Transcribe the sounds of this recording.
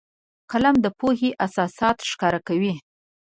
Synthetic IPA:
kalamd̪əpoheʔasɑsɑt̪ʃkɑɾakawi

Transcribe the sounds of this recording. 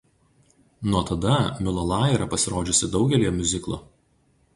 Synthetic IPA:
nuɔt̪ɐd̪ɐmʲɪlˠɐlˠɑːjɾɐpɐsʲɪɾoːd͡ʒʲʊsʲɪd̪ɒʊɡʲɛlʲijɛmʲʊzʲɪklˠo̰ː

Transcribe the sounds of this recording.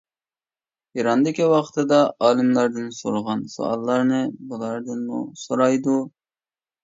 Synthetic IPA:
iɾɑnd̪ɪkʲiwɑqt̪ʰɨd̪ɑɑːlˠɪmlˠɑɾd̪ɨnsoɾʁɑnso̰ɑ̰lˠːɑɾnɨbulˠɑɾd̪ɨnmṵsoɾɑjd̪u

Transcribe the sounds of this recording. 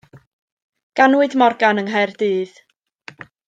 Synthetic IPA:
ɡ̥anwɨdmɔrɡanəŋɦɛrdɨːð

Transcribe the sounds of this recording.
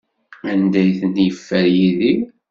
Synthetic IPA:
ænd̪æjθənjəfːæɾjiði

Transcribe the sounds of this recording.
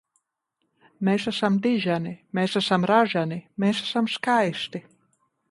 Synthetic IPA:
meːsasamd̪iʒanimeːsasamɾaʒanimeːsasamskajst̪i

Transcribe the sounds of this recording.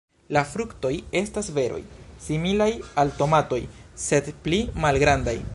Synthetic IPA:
lafɾukto̞je̞stasve̞ɾo̞̰jsimilajalto̞mato̞jse̞dplimalɡɾanda̰j

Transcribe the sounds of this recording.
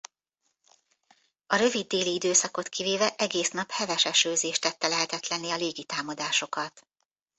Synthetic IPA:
ɒɾø̞vid̪ːeːliid̪øːsɒko̞t̪kʰiveːvɛʔɛɡeːsnɒphɛvɛʃɛʃøːzeːʃt̪ɛt̪ːɛlɛɦɛt̪ɛt̪lɛnːiɒleːɡit̪aːmɒd̪aːʃo̞kɒt̪

